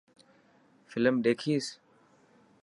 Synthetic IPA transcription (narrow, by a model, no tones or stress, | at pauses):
fɪləmɗeːkʰiːs